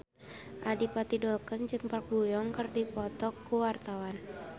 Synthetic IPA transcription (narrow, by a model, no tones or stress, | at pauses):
ʔadipat̪idɔlkənd͡ʒɨŋpak̚bujɔŋkərdipɔt̪ɔkːuwart̪awan